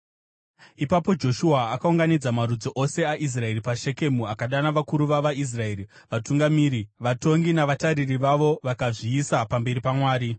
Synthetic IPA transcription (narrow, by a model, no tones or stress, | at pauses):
ipapo̞d͡ʒo̞ʃuaːkauŋɡanid͡zamarud͡zoʔo̞se̞aʔis̬rae̞ripaʃe̞ke̞muakaɗanaʋakuɾuʋaʋais̬rae̞ːɾi | ʋatuŋɡamiːɾiʋato̞ŋɡinaʋataɾiriʋaʋo̞ʋakaʐiːsapambe̞ɾipamwaːɾi